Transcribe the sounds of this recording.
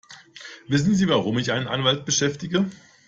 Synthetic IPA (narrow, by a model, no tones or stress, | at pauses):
vɪs̬n̩ziːvaʁʊmɪçʔaɪnənʔanvalt̚b̥əʃɛftɪɡə